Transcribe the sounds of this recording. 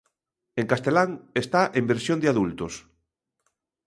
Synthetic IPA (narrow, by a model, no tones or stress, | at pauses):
eŋkast̪elaŋest̪aʔembeɾsjõnd̪eaðult̪os